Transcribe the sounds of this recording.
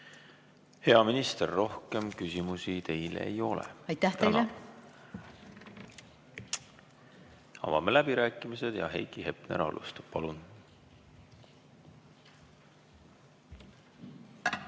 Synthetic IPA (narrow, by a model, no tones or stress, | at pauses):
he̞ɑminist̪erːo̞hke̞mkysʲimusit̪e̞jlḛḛjo̞lḛɑjt̪ːæht̪ejle | ɑ̰vɑ̰mːelæb̥iɾæːkːˑimise̞d̪̥jɑ̰ɦe̞̰jkihe̞pnḛɾɑ̰lʔṵst̪ɑ̥p̚pɑlun